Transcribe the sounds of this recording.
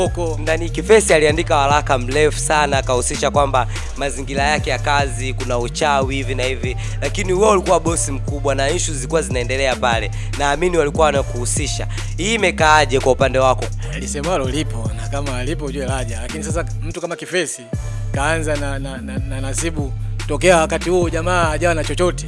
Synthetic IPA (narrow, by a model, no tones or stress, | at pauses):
ɔkɔnanikifɛsialiandikawalakam̩lɛfu̥sanakahusiʃakwamba | maziŋɡilajakɛjakazikunaut͡ʃawihivinahivi | lakiniwɛulikuwaɓɔsim̩kuɓwanaɲ̩ʃuzilikuwazinaɛndɛlɛapalɛ | naːminiwalikuwawnakuhusiʃa̰ | iːmɛkaːʄɛkwaupandɛwakɔlisɛmalɔlipɔnakamaːlip̬ɔʄuɛlaʄalakinisas̬am̩tukamakifɛsikaanzanananananasiɓutɔkɛawakatihuɔʄamaːʄawanat͡ʃɔt͡ʃɔtɛ